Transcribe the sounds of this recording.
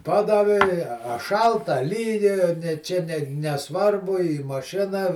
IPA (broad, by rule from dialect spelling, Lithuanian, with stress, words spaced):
ˈpɑːdɐʋʲɪ ɪ ɐ ɐ ˈʃɐlˠtɐ ɐ ˈlʲiːjɛ nʲɛ ˈt͡ʃʲɛ nʲɛ nʲɛˈsʋɐrbʊ iː mɐˈʃʲɪnɐ